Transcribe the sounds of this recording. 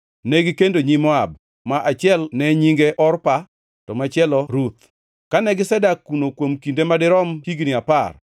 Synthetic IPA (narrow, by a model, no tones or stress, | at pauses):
nɛɡɪkendoɲimɔab̚ | maʔat͡ʃɪɛlnɛɲiŋɡeʔɔrpa | tɔmat͡ʃɪɛlɔɾut̪̚ | kanɛɡɪsɛdakːunokwomkindemadɪɾɔmhiɡnɪapar